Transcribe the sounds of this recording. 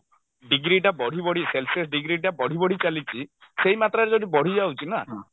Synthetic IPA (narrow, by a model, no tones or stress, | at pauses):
ɖiɡɾiʈabɔɽ̤ibɔɽ̤iselses̬ɖiɡɾiʈabɔɽ̤ibɔɽ̤it͡ʃalit͡ʃʰi | sejmat̪ɾaɾed͡ʒoɽibɔɽ̤id͡ʒawt͡ʃʰina